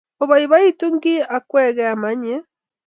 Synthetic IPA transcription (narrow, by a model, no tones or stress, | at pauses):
ɔβaiβaituŋɡiʔakwɛɣɛamaɲɛ